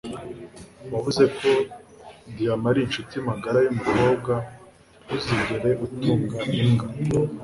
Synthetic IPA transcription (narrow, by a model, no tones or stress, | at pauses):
waβuze̞ko̞ | dijamaɾiːnʃutijimaɡaɾajumuko̞ːb̚ɡa | uziɲɡeɾe̞utuːŋɡaʔiŋɡa